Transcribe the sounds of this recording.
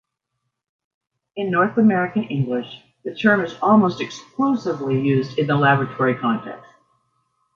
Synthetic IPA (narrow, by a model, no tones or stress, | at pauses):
ɨ̃nːɔɹθəmɛɹɨkɨ̃nɪ̃ŋɡlɪʃ | ðɨtʰɜ̃˞mɨzɔlˠmoʊstɨkskloʊsɨvlijʉzdɨ̃nðəlæbɹɨtʰɔɹikʰɑ̃ntʰɛ̰kst̚